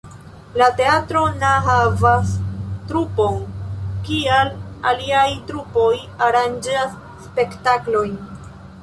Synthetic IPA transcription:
late̞atɾo̞naɦavastɾupo̞nkiala̰liajtɾupo̞j | aɾand͡ʒasː | pe̞ktaklo̞jn

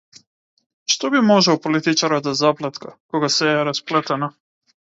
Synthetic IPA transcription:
ʃt̪ɔbimɔʒɛwpolit̪it͡ʃaɾɔd̪azaplˠɛt̪kʰakɔɡasɛɛɾasplɛt̪ɛna

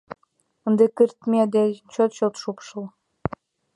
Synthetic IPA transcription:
ənd̪ekərt̪mʲed̪et͡ɕot̪t͡ɕot̪ʃupʃəl

